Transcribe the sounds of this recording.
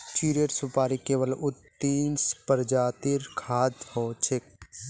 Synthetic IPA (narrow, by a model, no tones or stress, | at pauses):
t͡ʃiːɾiəʈsʊpaːɾikeːʋəlʊt̪ːiːnspəɾd͡ʒaːt̪ɪɾkʰaːd̪hoːt͡ʃʰek̚